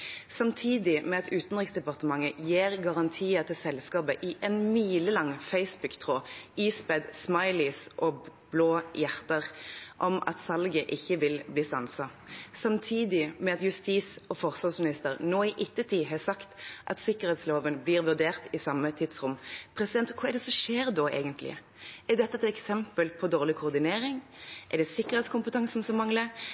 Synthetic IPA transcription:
sɑmt̪ʰiːd̪ɪmɛɑt̪ʉːt̪n̩ʁɪksd̪ɛpɑʁt̪əmɑŋːəjeːʁɡɑʁɑnt̪ʰiːət̪ʰɪlsɛlskɑːbəʔɪʔɛnmiːləlɑŋfæɪsbʉkt̪ʰʁoːiːspɛd̪smɑɪlɪsʔɔb̥loːjæʁt̪əʁʔɔmɑ̰t̪sɑlɡəʔɪçːəʋɪlbliːsɑnsɑsɑmt̪ʰiːd̪ɪmɛɑt̪jʉst̪iːsɔfɔʁsɑsmɪnɪst̪əɾnoːɪʔɪt̪ːət̪ʰiːɦɑsɑkt̪ʔɑ̰t̪sɪkəɾhɛːt̪sloːʋənbliːɾʋʉʁd̪eːʁt̪ɪsɑmːət̪ʰɪd̪sʁʊmpʰɾɛsɪd̪ɛnt̪kʰʊɛd̪ɛsɔʂeːɾd̪ɔʔḛːɡənt̪ʰlɪ̰ | ɛd̪ɛt̪ːəɛt̪ɛksɛmpəlpʰɔd̪oːʁlɪkʰʊːʁd̪ɪneːɾɪŋʔɛɖ̪ɛsɪkːəʁhɛːt̪skʊmpət̪ʰɑŋsn̩sɔmɑŋlə

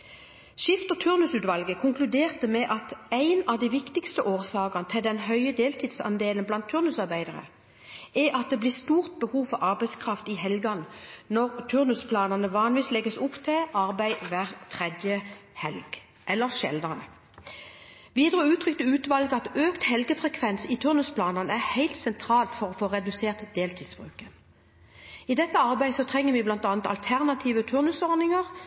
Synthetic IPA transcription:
ʃɪft̪ɔt̪ʰʉʁnʉsʉːt̪ʋɑlɡəkʰʊŋklʉd̪eːʁt̪əmɛʔɑt̪æɪnɑʋd̪æɪʋɪkt̪ɪkst̪əʔoːʁsɑːɡɑnət̪ʰɪld̪ɛnɦœʏəd̪eːlt̪ʰɪːd̪sɑ̰nd̪eːlənblɑnt̪ʰʉʁnʉsɑʁbæɪd̪əʁə̰ | ʔɛʔɑt̪̚d̪eːbliːst̪uːʁt̪̚bəhuːfɔʁɑʁbæɪskʰʁɑft̪ihɛlɡɑnnɔʁt̪ʰʉʁnʉspʰlɑːnɑnəʋɑːnʋiːslɛɡəsʊpt̪ʰɪlʔɑʁbæɪʋæʁt̪ʰʁɛd̪jəhɛ̰lɡ | ʔɛlːəʁʃɛ̰ld̪ɑnə | ʋiːd̪ʁəʉːt̪ʰʁʏk̚t̪əʉːt̪ʋɑlɡəɑt̪øːkt̪hɛlɡəfʁɛkʰʋɛnsit̪ʰʉʁnʉspʰlɑːnɑnæʁhæɪlt̪sɛnt̪ʰʁɑːlt̪fɔʁɔfoːʁɛd̪ʉseːʁt̪d̪eːlt̪ʰiːsb̥ʁʉ̰ːkən | id̪ɛt̪ːəɑʁbæɪsɔt̪ʰʁɛŋːəʋɪblɑnt̪ɑːnət̪ɑ̰lt̪ʰæʁnɑt̪ʰiːʋət̪ʰʉʁnʉsɔʁnɪŋəʁ

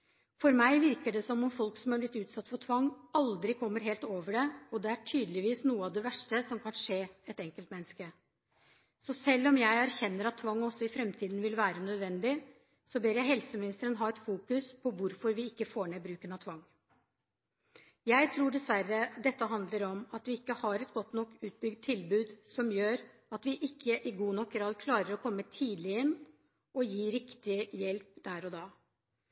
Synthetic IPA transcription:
fɔɾmæɪʋɪɾkəɖɛsɔmɔmfɔlksɔmhɑɾblɪt̪ːʉːt̪sɑt̪ːfɔʈʰʋɑŋːɑld̪ɾɪkʰɔmːəɾɦeːlt̪oːʋəɖɛɔd̪ɛæʈʰyːd̪lɪʋiːsnuːəɑʋd̪ɛʋæʂʈəsɔmkʰɑnʂeːɛt̪ɛŋkəlt̪mɛnːəskə | sɔsɛlːɔmjæɪæɾçɛnːəɾɑt̪ʰːʋɑŋːɔsːɔɪfɾɛmt̪ʰiːd̪nʋɪlʋæːɾənœd̪ʋɛnd̪ɪ | sɔbeːɾjæɪɦɛlsəmɪnɪst̪əɾənɦɑːɛt̪fuːkʉspʰɔʋʊɾfɔɾʋɪɪkːəfoːɳeːbɾʉːkənɑt̪ʰʋɑŋː | jæɪt̪ʰɾuːɖɛsʋæɾːəd̪ɛt̪ːəɦɑnd̪ləɾɔmɑt̪ʋɪɪkːəhɑɾɛt̪ɡɔt̪ːnɔkːʉːt̪̚bʏɡd̪̚t̪ʰːɪlbʉːd̪sɔmjøːɾ | ɑt̪ʋɪʔɪkʰːəʔɪɡuːnɔkɡɾɑːd̪kʰlɑːɾəɾɔkʰɔmːət̪ʰiːd̪lɪəɪnː | ɔjiːɾɪkt̪ɪjɛlpd̪̥æːɾɔd̪ɑː

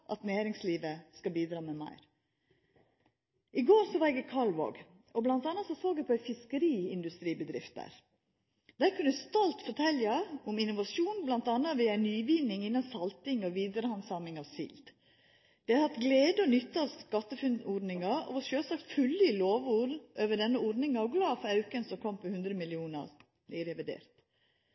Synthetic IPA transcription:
ʔɑt̪næːɾɪŋsliːʋəskɑbiːd̪ɾɑːmɛmæ̰ɪɾ | ɪɡoːɾsɔʋɑɾɛɡəkʰɑɭʋo̰ːɡ | ɔblɑnt̪ɑːnɑt̪sɔsoːɡd̪ɛpʰɔæɪfɪskəɾiːɪnd̪ʉst̪ɾiːbəd̪ɾɪ̰ft̪æ̰ɾ | d̪̥æɾkʉnəst̪ɔlt̪fɔʈʰɛljɑʊmɪnːʊʋɑsjuːnblɑnt̪ɑnːɑʋɪːɑnyːʋiːnɪŋɪnːɑnsɑlt̪ɪŋɔʋiːd̪əɾəhɑnsɑmɪŋɑʋsḭld̪ | d̪̥ɛhɑt̪ɡleːd̪əɔnʏt̪ːɑɑʋskɑt̪ːəfʉnuɖnɪŋɑo̰ːʋɔʃøːsɑkt̪fʉlːəɪloːʋuːɾʔøːʋəɖɛnːəuɖnɪŋɑɔɡlɑːfɔɑʉkənsɔmkʰɔmpʰɔhʉnd̪ɾəmɪlɪuːnə̰ɾ | ɪɾɛʋɪd̪ḛːɾt̪

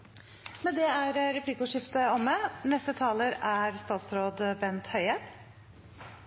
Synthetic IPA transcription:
mɛnd̪ɛæɾɾɛpliːkʊːʂɪft̪əɔmːənɛst̪ət̪ʰɑːləɾæɾst̪ɑːt̪sɾoːd̪bɛnt̪hœʏə

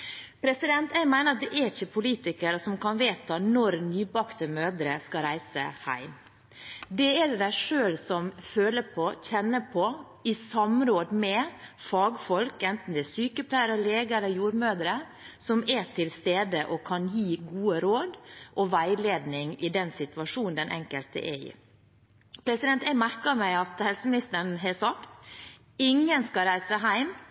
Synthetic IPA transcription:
pʰɾɛsɪd̪ɛnt̪æɪmæɪnəɾɑt̪̚d̪ɛʔɛɾɪçəpʰʊliːt̪ɪkəɾəsɔmkɑnʋeːt̪ʰɑnɔɾnyːbɑkt̪əmøːd̪ɾəskɑɾæɪsə̰hæ̰ɪm | d̪ɛɛd̪æɪʂøːlsɔmføːləpʰɔçɛnːəpʰɔ | ɪsɑmɾoːd̪mɛfɑːɡfɔlkɛnt̪n̩d̪ɛæsyːkəpʰlæɪəɾəleːɡəɛlːəɾjuːɾmøːd̪əɾə | sɔmɛt̪ʰɪlst̪eːd̪əʔɔkʰɑnjiːɡuːəɾoːd̪ʔɔʋæɪleːd̪nɪŋɪd̪ɛnsɪt̪ʉʋɑʂuːnnd̪ɛnʔɛ̰ŋkəlt̪ə̰ʔɛ̰ɪ̰ | pʰɾɛsɪd̪ɛnt̪ɛɪmæɾkɑmæɪɑt̪hɛlsəmɪnɪst̪əɳɦɛsɑkt̪ | ɪŋːənskɑɾæɪsəɦæɪm

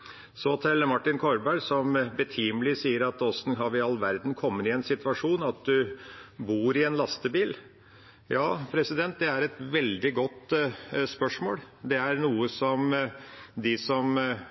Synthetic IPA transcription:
sɔt̪ʰɛləmɑʈːɪnkʰɔɾbæɾsɔmbət̪ʰiːməlɪsiːəɾɑt̪ɔsnɦɑʋɪɑlːʋæɾd̪n̩kʰɔmːənɪɛnsɪt̪ʋɑʂuːnɑt̪̚d̪ʉbuːɾɪɛnlɑst̪əbiːl | jɑːpʰɾɛsɪd̪ɛnt̪̚d̪ɛæɾɛt̪ʋɛld̪ɪɡɔt̪ːspœʂmo̰ːld̪ɛæɾnuːəsɔm | d̪ɪsɔm

